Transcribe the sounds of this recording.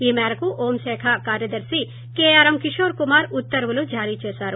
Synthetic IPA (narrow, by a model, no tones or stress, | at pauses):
iːmɛːɾɐkuʔoːmʃeːkʰakaːɾjɐd̪ɐɾsi | keːaːɾɐmkiʃoːɾkumaːɾut̪ːɐɾʋɐlud͡ʒaːɾit͡ʃeːsaːɾu